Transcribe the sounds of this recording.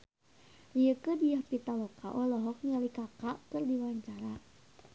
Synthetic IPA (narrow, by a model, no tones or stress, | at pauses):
rijəkədijahpit̪alɔkaʔɔlɔɦɔk̚ɲalikakaʔkɨrdiwaɲt͡ʃaɾa